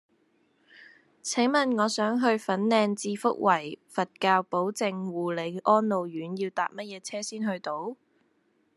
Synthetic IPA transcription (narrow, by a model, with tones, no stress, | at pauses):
t͡sʰɪ˨˥ŋmɐ˨nŋɔː˨˧sœː˨˥ŋɦɵ˧ɥfɐ˨˥nlɛː˧nt͡siː˧fʊ̰˥k̚wʔɐ˨˩jfɐ˨t̚kaː˧wpo˨˥wt͡sɪ˨˧ŋwuː˨le˨˧jʔɔː˥nlo˨wjyː˨˥njiː˧wt̪a̰ː˨p̚mɐ˥t̚jɛː˨˧t͡sʰɛː˥siː˥nɦɵ˧ɥt̪o˧w